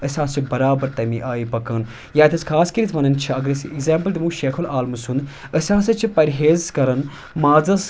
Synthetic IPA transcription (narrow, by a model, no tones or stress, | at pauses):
əsʲãːst͡ʃʰibɐɾaːbɐɾt̪ɐmiʔaːipɐkɐn | jaːt̪ʰɐskʰaːskɐɾit̪ʰʋɐnɐnt͡ʃʰiɐɡɐɾsiiɡzeːmpəld̪imũːʃeːkʰulaːlmɐsund̪ | əsʲãːsɐt͡ʃʰipɐɾɦeːzkɐɾɐn | maːzɐs